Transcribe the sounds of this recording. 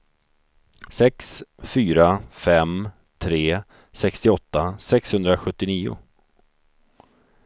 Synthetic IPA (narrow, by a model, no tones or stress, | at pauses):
sɛksfyːɾafɛm | t̪ʰɾeː | sɛkst̪ɪɔt̪ːasɛkshɵnd̪ɾaɧɵt̪ːɪniːʊ̰